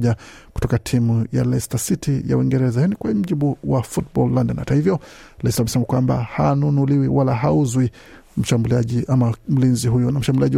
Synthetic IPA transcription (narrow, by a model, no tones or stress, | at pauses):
ʄaku̥tɔkatʰimuja̰lɛstasitʰija̰wiŋɡɛɾɛzajanikwam̩ʄiɓuwafut̚bɔlːandɛnha̰tahivjɔlɛstamɛsɛmakwamba̰hanunuliwiwalaɦauzwi | m̩ʃambuliaʄiʔamam̩linziɦujɔnam̩ʃambuliaʄi